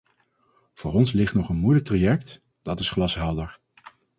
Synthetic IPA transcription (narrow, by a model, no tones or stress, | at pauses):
v̥ʊːɹɔnslɪχtnɔχənmujlək̚trajɛk̚t | d̥ɑtɪsχlɑsɦɛlˠdəɹ